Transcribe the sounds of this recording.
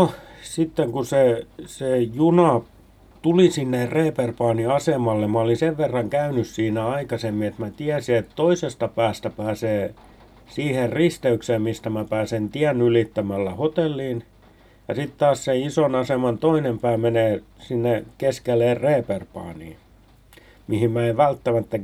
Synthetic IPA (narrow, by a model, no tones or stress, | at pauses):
nosit̪ːeŋkusesejunɑ | t̪ulisinːerreːperpɑːniɑsemɑlːemæolinseʋʋerːɑŋkæynyssiːnæɑikɑsemːiet̪mæt̪iæsiet̪t̪oisest̪ɑpæːst̪æpæːseː | siːherrist̪eykseːmmist̪æmæpæːsent̪iænːylit̪ːæmælːæhot̪elːiːn | jɑsit̪t̪ɑːsseisonɑsemɑnt̪oinempæːmeneːsinːekeskelːˑeːrreːperpɑ̰ːnḭː | mihimmæeʋʋælt̪ːæmæt̪ːæ